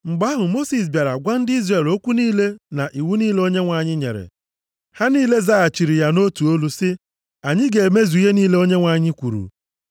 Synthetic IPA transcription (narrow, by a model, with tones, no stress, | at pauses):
ŋ͡m̩˨ɡ͡ba˦ɦʊ˨mo˦si˨s̬bja˨ɾa˨ɡʷa˦n̩˦dɪ˦i˦zre˨lo˦kʷu˦niː˦le˦na˨ʔi˨wu˦niː˦le˦o˦ɲe˦ŋʷa˨ɲɪ˦ɲḛ˨ɾḛ˨ | ha˦niː˦le˦za˦a˨t͡ʃi˨ɾi˨ja˦no˦tu˨o˦lu˦sɪ˦ | a˨ɲɪ˦ɡe˨e˨me˦zu˨i˦ɦe˦niː˦le˦o˦ɲe˦ŋʷa˨ɲɪ˦kʷṵ˨ɾṵ˨